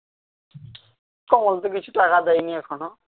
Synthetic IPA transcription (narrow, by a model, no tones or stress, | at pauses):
kɔŋɔlt̪̬ʊkit͡ɕʰu̥ʈakad̪ajniɛkʰɔnɔ